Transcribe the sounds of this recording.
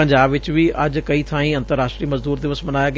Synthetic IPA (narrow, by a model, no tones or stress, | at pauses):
əɲd͡ʒaːbʋɪt͡ʃʋiːʔɐd͡ʒkɐiːt̪ʰãːĩɐ̃nt̪əɾːaːsʈɾiːməzd̪uːɾd̪ɪʋəsmɐnaːjaːɡ